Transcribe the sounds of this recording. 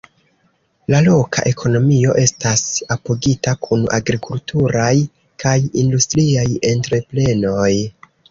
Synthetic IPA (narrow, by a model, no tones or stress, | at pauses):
lalo̞kʰa̰ʔe̞kʰo̞no̞mio̞ʔe̞stasapoɡitakʰuna̰ɡɾikʰultuɾaj | kajindustɾiaje̞ntɾe̞ple̞no̞j